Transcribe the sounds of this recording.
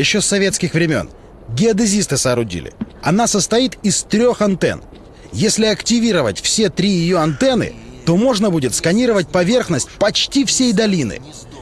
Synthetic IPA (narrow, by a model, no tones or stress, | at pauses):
jɪɕːosːɐvʲe̞t̪skʲɪxvɾʲɪmʲo̞̰n | ɡʲɪɐd̪ɨzʲist̪ɨsəːɾʊdʲḭlʲɪ̰ɐ̰nasəst̪ɐit̪ɪst̪ɾʲo̞xɐnt̪ɛ̰n | jesʲlʲɪɐktʲɪvʲiɾəvə̰tʲfsʲe̞t̪ɾʲijɪjoɐnt̪ɛnɨ̰ | t̪o̞mo̞ʐnəbudʲɪt̪skɐnʲiɾəvət̚ʲpɐvʲe̞rxnəsʲt̚ʲpɐt͡ɕtʲifsʲejd̪ɐlʲinɨ̰